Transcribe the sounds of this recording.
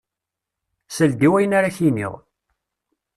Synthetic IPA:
səld̪iwæjənaɾaçinḭʁ

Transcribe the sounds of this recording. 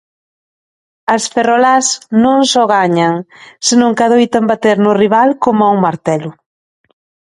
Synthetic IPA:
ɐsferɔlasnõŋsɔɣaɲaŋsɪnõŋkaðojt̪ambat̪eɾnʊriβalkomʊauŋmaɾt̪ɛlʊ

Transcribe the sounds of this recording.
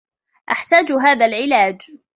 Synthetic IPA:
ʔaħt̪aːd͡ʒɦaːðalʕɪlaːd͡ʒ

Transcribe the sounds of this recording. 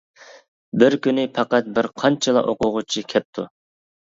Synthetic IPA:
bɪɾkʲynɪpʰɑqæt̪̚bɪɾqʰɑnt͡ʃʰɨlˠɑ̰ʔoqʰʊʁʊt͡ʃʰikʲʰɛp̚t̪ʰu

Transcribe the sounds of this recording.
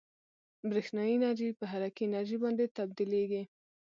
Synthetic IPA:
bɾixnɑjinaɾʒipəɦaɾakinaɾʒibɑnd̪et̪ab̚d̪ileɡi

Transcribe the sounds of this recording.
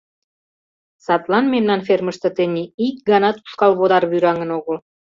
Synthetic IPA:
sɑt̪lɑnmemnɑnferməʃt̪ə̆t̪enʲiikɡɑnɑt̪u̥ʃkɑlβod̪ɑrβyɾɑŋə̆noɣəl

